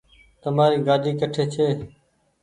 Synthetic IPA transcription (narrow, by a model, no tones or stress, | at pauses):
t̪əmaːɾiːɡaːd̪ʱiːkəʈʰeːt͡ʃʰeː